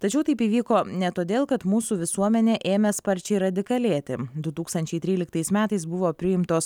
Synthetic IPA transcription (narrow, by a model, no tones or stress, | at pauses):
t̪ɐt͡ʃʲɛʊt̪ɐɪpiːʋʲiːkoːnʲɛt̪oːd̪ʲeːlˠkɐt̪muːsuːʋʲɪsuɔmʲɛnʲeːʔeːmʲɛspɐɾʲt͡ʃʲɛɪɾɐd̪ʲɪkɐlʲeːt̪ʲɪd̪ʊt̪uːkst̪ɐnʲt͡ʃʲɛɪt̪ʲɾʲiːlʲɪkt̪ɐɪsmʲæːt̪ɐɪsbʊʋoːpʲɾʲɪjɪmt̪oːs